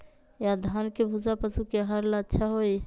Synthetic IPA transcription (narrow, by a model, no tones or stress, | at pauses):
jad̪ʱankebʱud͡ʒapəsukeɦəɾlaətːʃʰaɦoj